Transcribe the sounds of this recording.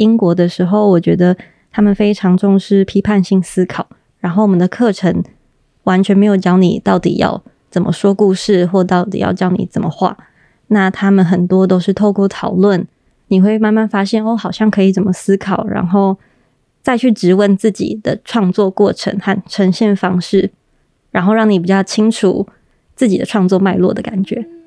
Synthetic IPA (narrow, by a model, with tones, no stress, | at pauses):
i˥ŋkwɔ˧˥d̪ə˧ʂɻ̩˧˥xo˥˩ʊwɔ˨˩t͡ɕɥɛ˧˥d̪ə˧ | t̪ʰa˥mə˨nfe˥ɪʈ͡ʂʰɑ˧˥ŋʈ͡ʂʊ˥˧ŋʂɻ̩˥pʰi˥pʰa˥˧nɕi˥˩ŋsɹ̩˥kʰɑ˨˩ʊ | ɻa˧˥nxo˥˩wɔ˨˩mə˩nd̪ə˩kʰɤ˥˩ʈ͡ʂʰə˧˥ŋ | wa˧˦˥nt͡ɕʰɥɛ˧nme˧˥ɪjo˨˩ʊt͡ɕjɑ˥ʊni˨˩t̪ɑ˥˩ʊt̪ḭ˨˩jɑ̰˥˩ʊ | t͡sə˨˩nmʔə̰˦ʂwɔ˥ku˥˧ʂɻ̩˥˨xwɔ˥˩t̪ɑ˥˩ʊt̪ḭ˨˩jɑ̰˥˩ʊt͡ɕjɑ˥ʊnḭ˨˩t͡sə˨˩mə˦xwa̰˥˩ | na˥˩t̪ʰa˥mə˨nxə˨˩nt̪wɔ˥t̪o˥ʊʂɻ̩˥˧t̪ʰo˥˧ʊkwɔ˥˩t̪ʰɑ˨˩ʊlwə˥˨n | ni˨˩xwe˥˧ɪma˥˧nma˥˩nfa˥ɕjɛ˥˩no˥˩xɑ˨˩ʊɕjɑ˥˩ŋkʰɤ˧˥i˨˩t͡sə˨˩nmə˩sɹ̩˥kʰɑ˨˩ʊɻa̰˧˥nxo˥˧ʊ | t͡sa˥˧ɪt͡ɕʰy˥˩ʈ͡ʂɻ̩˧˥wə˥˧nt͡sɹ̩˥˩t͡ɕḭ˨˩d̪̥ə̰˦ʈ͡ʂʰwɑ˥˧ŋt͡swɔ˥˧kwɔ˥˩ʈ͡ʂʰə̰˧˥ŋxa˥˩nʈ͡ʂʰə˧˥ŋɕjɛ˥˩nfɑ˥ŋʂɻ̩˥˩ | ɻa˧˥nxo˥˧ʊɻɑ˥˩ŋni˨˩p̬i˨˩t͡ɕjɑ˥˩ʊt͡ɕʰi˥ŋʈ͡ʂʰṵ˨˩ | t͡sɹ̩˥˩t͡ɕi˨d̪ə˦ʈ͡ʂʰwɑ˥˧ŋt͡swɔ˥˧ma˥˧ɪlwɔ̰˥˩d̪ə˩ka˨˩nt͡ɕɥɛ˧˥˦